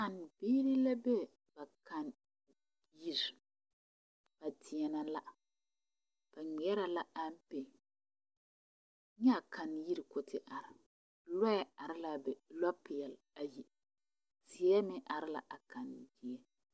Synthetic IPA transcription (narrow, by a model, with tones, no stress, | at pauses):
a˨n˨biː˦ɾi˦la˦bɛ˦ | ba˨ka˨n | ji˦ɾi˨ | b̥a˨tʰɪ˨ɛ˨na˨la˦ | b̥a˨ŋ͡mi˨ɛ˦ɾa˨la˦a˦m˦pe˨˦ | ɲɛ˦˨ka˨nji˦ɾi˨kʊ˨tʰɪ˦ʔa˨ɾɪ˨ | lɔ˦ɛ˨a˨ɾɪ˦la˨bɛ˨lɔ˦pɪ˨ɛ˨l | a˨ji˨ | sɪ˨ɛ˦mɪ˦ʔa˨ɾɪ˦la̰˨ʔa˨ka˨n˨dɪ˨ɛ˦